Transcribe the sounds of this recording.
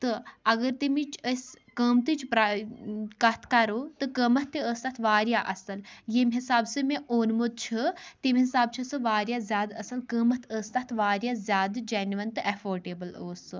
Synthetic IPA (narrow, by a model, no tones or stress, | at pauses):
t̪ɨɐɡɐɾt̪imit͡ʃʰəsʲ | kəmt̪ɨt͡ʃpɾa | kɐt̪ʰkɐɾot̪ɨkɐmɐt̪ʰːiəːst̪ɐt̪ʰʋaːɾjaʔɐsɐljemʲɦɪsaːbsɨmeʔoːnmut̪̚t͡ʃʰɨt̪imʲɦisaːb̚t͡ʃʰɨsɨʋaːɾjaːzʲjaːd̪ɐsɐlkəːmɐt̪ʰəːst̪ɐt̪ʰʋaːɾjazʲjaːd̪d͡ʒɐnʋɐnt̪ɨʔɐfoːɾɖeːbəloːsɨ